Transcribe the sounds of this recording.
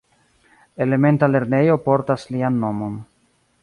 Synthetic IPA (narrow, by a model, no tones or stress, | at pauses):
e̞le̞me̞ntale̞ɾne̞jo̞po̞ɾtaslianːo̞mo̞n